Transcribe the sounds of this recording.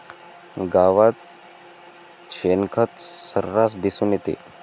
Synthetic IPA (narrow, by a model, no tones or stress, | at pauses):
ɡaʋat̪̚ | ɕenkʰət̪səɾɾasd̪isuːnjet̪ḛ